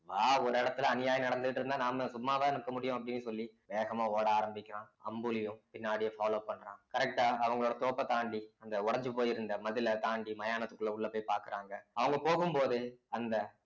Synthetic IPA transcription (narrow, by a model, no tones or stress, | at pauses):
ʋaːɔɾɯɪɽɐt̪ːɯlɐɐnɪjaːjɐnɐɽɐnd̪ɯðɯʈːɾɯnd̪aːnaːmɐsʊmːaːʋeːnɯkːɐmʊɽɪjʊ̃ɐp̬ːɐɽɪnːɯsɔlːiʋeːɣɐmaːoːɽɐaːɾɐmbɪkʲːɪɾãːɐ̰mbɯlɪjʊ̃pɪnːaːɽɪjɐfaːloːpɐɳːɾãːkɐɾɛk̚ʈaːɐʋɐŋɡɐɭoːɽɐt̪oːpːɐt̪aːɳɖiɐnd̪ɐʊɽɐɲd͡ʒɯpoːjɪɾɯnd̪ɐmɐðɪlɐt̪aːɳɖimɐjaːnɐt̪ːɯkːɯlːɐʊɭːɐpoːjpaːɾkɯɾaːŋɡɐɐʋɐŋɡɐpoːɣɯmpoːðɯɐnd̪ɐ